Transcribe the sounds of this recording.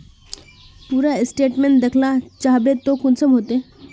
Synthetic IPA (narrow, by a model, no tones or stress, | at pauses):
puːɾasʈeʈmeɳʈ̚d̪ekʰlat͡ɕaɦbet̪okunsəmɦot̪e